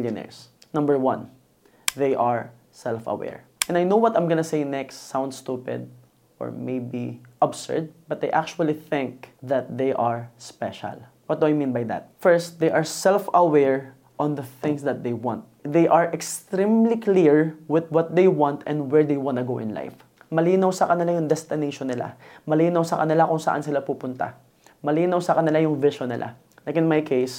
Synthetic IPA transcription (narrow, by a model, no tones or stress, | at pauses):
ljʊnɛ̰ɹsnʌ̃mbəɹwʌ̃n | ðejʔaɹ | sɛlfɐ̰wɛ̰ɹʔɛ̃najnowwɔt̪ãjmɡɐnɐsejnɛkstsãwnd̪st̪upɛ̰d̪̚ | ʔɔ̰ɹmejbiʔabsɛ̰ɹd̪̚bɐt̪̚d̪ejʔak̚t͡ʃʊɐliθɪ̃ŋk̚ðɐt̪̚d̪ejʔaɹspɛʃa̰l | wɔt̪̚d̪uajmĩnbajd̪a̰t̪̚fɛɹst̪̚d̪ejʔɐɹsɛlfɐwɛɹ | ʔɔ̃nd̪ɐθɪ̃ŋsd̪ɐt̪̚d̪ejwã̰nt̪̚d̪ejʔɐɹʔɛkst̪ɾĩmlikliɹwɪðwɔt̪̚d̪ejwãnt̪ɛ̰̃nd̪wɛɹd̪ejwanɐɡowʔɪ̰nla̰jf | mɐliːnɐwsɐkɐnɪlajʊŋd̪ɛst̪ɪnejʃonːɪla̰mɐliːnɐwsɐkɐnɪlakʊŋsɐ̰ʔa̰nsɪlapuːpʊnt̪a̰ | mɐliːnɐwsɐkɐnɪlajʊŋvɪʃonːɪ̰lʔa̰ | lajkɪ̃nmajkʰejs